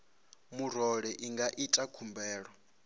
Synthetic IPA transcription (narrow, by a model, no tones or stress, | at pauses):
muɾɔɺɛʔiŋɡaʔitʼakʰumbʱɛːɺɔ